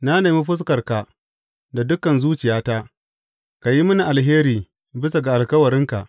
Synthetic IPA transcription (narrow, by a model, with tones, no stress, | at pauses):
na˦neː˨mi˦ɸʊ˦s̬kɐ˨rka˨ | da˨dʊ˦kːɐ˨nzuː˦t͡ʃɪ˨jaː˦ta˦ | ka˨ji˦mʊ˦ni˨ʔa˨lɦeː˦ɾiː˨ | bɪ˦s̬a˨ɡa˨ʔa˨lkɐ˦wɐ˨ɾɪ˦ŋka˨ʔ